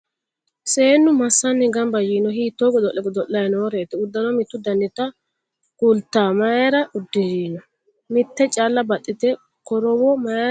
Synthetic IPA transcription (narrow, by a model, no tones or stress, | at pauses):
se̞ːnːʊmɐsːɐnːɛɡɐmbɐjiːnɔhiːt̪ːoɡɔd̪ɔʔɛɡɔd̪ɔʔːɐjnoːɾe̞ːt̪ɛʊd̪ːɐnɔmɪt̪ːʊd̪ɐnːɪt̪ɐ | kʊlt̪ːaːmɐjɛɾɐʊd̪ːɪd͡ʒiːnɔ | mɪt̪ːɛt͡ʃʼalːɐbɐt̪ʼːɪt̪ɛ | kɔɾɔwɔmɐ